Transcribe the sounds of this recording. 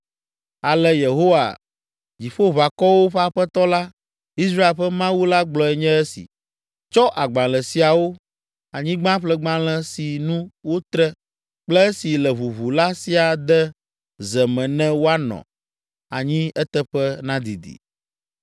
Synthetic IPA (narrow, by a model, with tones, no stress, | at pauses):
a˨lɛ˦je˨ɦo˦wa̰˨ | d͡ʑi˨ɸo˦βa˨kɔ˦wo˦ɸɛ˦a˨ɸɛ˦t̪ɔ˦la˦ | i˦sɾa˦e˨lɸɛ˦mã˦wu˦la˦ɡ͡blɔ˨ɛ˨ɲɛ̃˦ɛ˦sḭ˨ | t͡ʃɔ˦ʔa˨ɡ͡bã˨lɛ˨si˨a˨wo˦ | a˨ɲĩ˦ɡ͡bã˦ɸlɛ˦ɡ͡bã˦lɛ̃˦si˨nũ˦wo˦t̪ɾɛ˦ | k͡plɛ˦e˦si˨lɛ˨βu˨βu˨la˦si˨a˨d̪ɛ˦ | zɛ˨mɛ̃˨nɛ̃˦wo˦a˦nɔ̰̃˨ | a̰˨ɲĩ˦ɛ˦t̪ɛ˦ɸɛ˦nã˦d̪ḭ˨d̪ḭ˨